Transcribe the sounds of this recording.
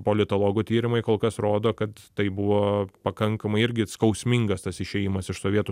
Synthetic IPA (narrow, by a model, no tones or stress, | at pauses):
poːlʲɪt̪oːlˠoːɡuːt̪ʲiːɾʲɪmɐɪkoːlˠkɐsɾoːd̪oːkɐt̪t̪ɐɪbʊʋoːpɐkɐŋkɐmɐɪɪɾʲɡʲɪskɐʊsʲmʲɪŋɡɐst̪ɐsɪʃʲɛjimɐsɪʃsoːʋʲiɛt̪u